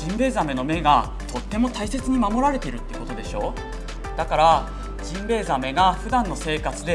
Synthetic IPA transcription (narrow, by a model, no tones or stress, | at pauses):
ĩmbe̞ːzame̞no̞me̞ɡa | t̪o̞t̪ːe̞mo̞t̪aise̞t͡sɨɲ̟imamo̞ɾaɾe̞t̪e̞iɾɯ̟t̪ːeiɯ̟ko̞t̪o̞d̪e̞ɕo̞ː | d̪̥akaɾa | d͡ʑĩmbe̞ːzame̞ɡaɸɯ̟d̪ãnːose̞ːkat͡sɨd̪e̞